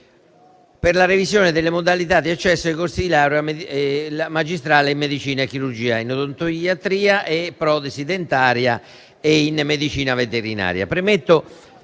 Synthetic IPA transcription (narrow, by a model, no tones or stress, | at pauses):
peɾlaɾevisjoːnɪd̪elːemod̪alit̪ad̪ːiat͡ʃːɛsːoajkost̪ilaːɾa | amad͡ʒist̪ɾaːleimːed̪it͡ʃiːnaekːiɾuɾd͡ʒiːainod̪ont̪oat̪ɾiːaʔepːɾɔd̪esid̪ent̪aːɾja | einmed̪it͡ʃiːnavet̪eɾina̰ːɾja̰pɾemet̪ːo